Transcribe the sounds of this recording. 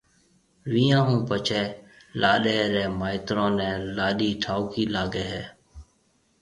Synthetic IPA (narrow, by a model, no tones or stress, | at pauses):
ʋiːãːɦũːpət͡ʃʰeːlaːɗeːɾɛːmaːɪt̪ɾõːnɛ̃ːlaːɗiːʈʰaːukiːlaːɡeːɦɛː